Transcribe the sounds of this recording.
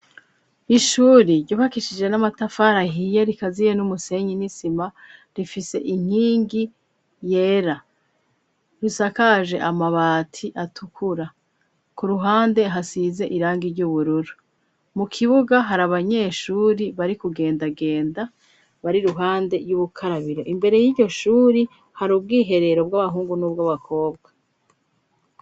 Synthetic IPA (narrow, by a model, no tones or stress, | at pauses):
iʃuːɾiɟuhakiʃid͡ʒe̞namatafaɾaɦijeɾikazijenumuse̞ɲinisimaɾifise̞̰ʔiɲ̥hiːŋɡi | je̞ːɾa | ɾusakaʒe̞ʔamaβaːtʰiʔatʰukʰuɾa | kuɾuɦaːnde̞ɦasize̞ʔiɾaːŋɡiɾɟuːβuɾuɾu | mukʰiβuɡaɦaɾaβaɲe̞ːʃuːɾiβaɾikuɡe̞ːndaɡe̞ːnda | βaɾiɾuɦaːnde̞juβukʰaɾaβiɾo̞ʔimbe̞ɾe̞jiːɟo̞ʃuːɾi | haɾub̚ɡiːɦe̞ɾe̞ɾo̞bɡaβaɦuːŋɡunubɡaβakʰo̞ːb̚ɡa